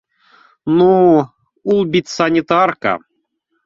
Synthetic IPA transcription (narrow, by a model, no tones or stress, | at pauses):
nu | ulˠbʲit̪ʲsanʲit̪arka̰